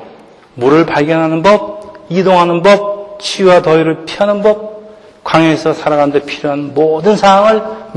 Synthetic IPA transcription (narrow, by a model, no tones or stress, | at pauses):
muɾɯɭpaɭɡjʌnɦanɯnbʌb̚idoŋɦanɯnbʌp̚t͡ɕʰiwatʌiɾɯɭpʰiʌanɯnbʌp̚ | kwaŋʌesʰʌsʰaɾaɡɣanɯnde̞pʰiɾjoɦannmodɯnsʰaɦaŋɯɭm